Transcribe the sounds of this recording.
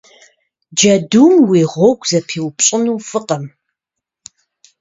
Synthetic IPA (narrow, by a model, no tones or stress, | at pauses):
d͡ʒɐdumwiːʁʷɔɡʷʰʼzɐpʰiːwpɕʼɪnuːfɨqɐm